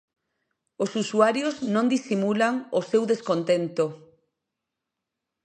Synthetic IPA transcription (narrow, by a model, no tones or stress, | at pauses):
osusuaɾjoznõnd̪isimulaŋosewðeskont̪ent̪o